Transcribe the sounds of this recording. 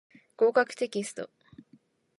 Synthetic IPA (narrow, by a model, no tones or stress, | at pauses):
ko̞ːkakɯ̟̥t̪e̞kʲisɨ̥t̪o̞̰